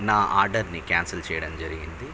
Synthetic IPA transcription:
naːʔaːɾɖɐɾnikaːnsɐlt͡ʃɛːjɐɽɐmd͡ʒɐɾiɡind̪i

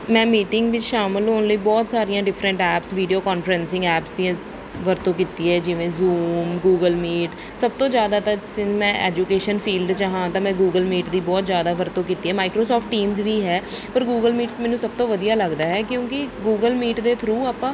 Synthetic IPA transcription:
mɛ̃ːmiːʈɪŋɡʋɪt͡ʃʃaːməlɦoːnləiːbɔːt̪saːɾijãːɖɪfʰɾə̃ɳʈɛːpsʋiːɖioːkɔːnfɾənsɪ̃ŋɡɛːpsd̪iãː | ʋəɾt̪õːkiːt̪iːɦɛːd͡ʒɪʋẽːzuːmɡuːɡəlmiːʈ | səb̚t̪õːzjaːd̪aːt̪ãsɪmɛ̃ːʔɛ̰ːd͡ʒuːkeːʃənfʰiːlɖt͡ʃaɦãːt̪ãːmɛ̃ːɡuːɡəlmiːʈd̪iːbɔːt̪zjaːd̪aːʋəɾt̪õːkiːt̪iːɦɛːmaːikɾoːsɔːfʰʈːiːmzʋiːɦɛːpəɾɡuːɡəlmiːʈsmɛːnũːsəb̚t̪õːʋəd̪ijaːləɡd̪aːɦɛːkjõːkɪɡuːɡəlmiːʈd̪eːt̪ʰɾuːaːpãː

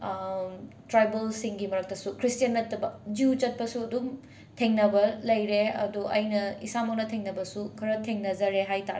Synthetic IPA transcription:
tɾajbɐlsiŋɡimɐɾɐk̚tɐsukɾistijɐnːɐtːɐbɐd͡ʒiut͡ʃɐt̚pɐsuɐdum | tʰeŋnɐbɐlɐjɾeɐ̰duʔɐ̰jnɐisamɐk̚nɐtʰeŋnɐbɐsukʰɐɾɐtʰeŋnɐzɐɾeɦajtaɾe

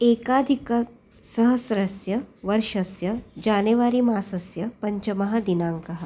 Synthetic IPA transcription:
eːkaːd̪ʱikɐ | sɐɦɐsɾɐsjɐʋɐɾʃɐsjɐd͡ʒaːneʋaːɾiːmaːsɐsjɐpɐɲt͡ʃɐmɐɦɐd̪inaːŋkɐɦ

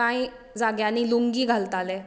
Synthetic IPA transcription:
ãi | d͡zaɡjãniːluŋɡiːɡʱalt̪alɛ

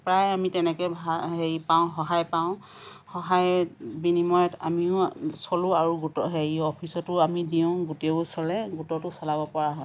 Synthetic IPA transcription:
pɹajamitɛnɛkɛbʱaɦeɹipaʊ̃xɔɦajpaʊ̃ | xɔɦajbinimɔjɔta̰miʊ̃sɔlʊaɹuɡutɔɦeɹiɔpʰisɔtʊamidiʊ̃ɡuteusɔlɛɡutɔtʊsalabɔpɔɹaɦɔ

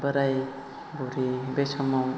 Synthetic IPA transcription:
bəɾaj | bɔɾibesʰɔmaw

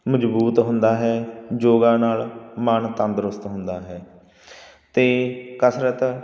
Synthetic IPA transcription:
məd͡ʒbuːt̪ɦʊnd̪aːɦɛːd͡ʒoːɡãːnaːlmənt̪ə̃nd̪əɾʊst̪ɦʊnd̪aːɦɛː | t̪eːkəsɾət̪

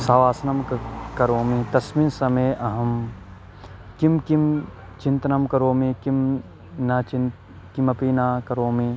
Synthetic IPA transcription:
saːʋaːsɐnɐmkɐɾoːmit̪ɐsminsɐmeːʔɐɦɐm | kimkim | t͡ʃint̪ɐnɐmkɐɾoːmikim | nɐt͡ʃin | kimɐpiːnaːkɐɾoːmi

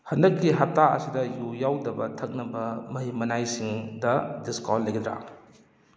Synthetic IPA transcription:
hɐndɐkːiɦɐp̚taɐ̰sidɐjujawdɐbɐtʰɐk̚nɐbɐmɐɦimɐnajsiŋdɐdiskɔlːɐjɡid̪ɾa̰

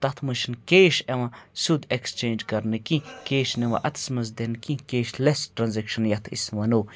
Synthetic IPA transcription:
t̪ɐt̪ʰmɨʃinkeːʃeʋɐ̃sud̪ekst͡ʃẽːnd͡ʒkɐɾnɨkĩkeːʃneʋɐ̰ʔɐt̪ʰsmɐz̬d̪enkĩkeːʃlesʈɾɐnzekʃɐnjɐt̪ʰḭsmɐno

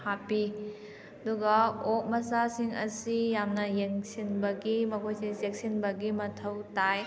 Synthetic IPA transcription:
hapi | ɐduɡɐok̚mɐsasiŋɐ̰sijamnɐjeŋsinbɐɡimɐkʰojsesek̚sinbɐɡimɐtʰɐwtaj

